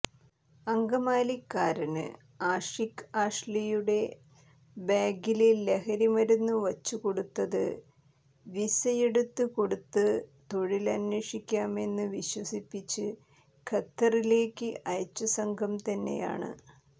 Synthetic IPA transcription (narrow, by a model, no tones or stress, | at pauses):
ɐŋɡɐmaːlikːaːɾɐnɨ̰ | aːʂikːaːʂlijuɽe̞ | baːɡiliːehɐɾimɐɾunːuʋɐt͡ɕːuko̞ɽut̪ːɐðɨ̰ | ʋisɐjeɽut̪ːɨko̞ɽut̪ːɨt̪o̞ɻilɐnweːʂikʲːaːme̞nːɨʋiɕwɐsipːit͡ɕːɨ | kʰɐt̪ːɐrile̞ːkːɨʔɐjɐt͡ɕːɐsɐŋɡʰʱɐmt̪ɐnːe̞̰ja̰ːɳɨ̰